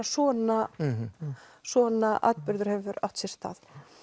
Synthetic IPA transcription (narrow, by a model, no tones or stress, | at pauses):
sɔːna | sɔːnaʔa̰t̪pʏɾðʏɾ̥hɛvʏɾaw̥ht̪sɛst̪a̰ːð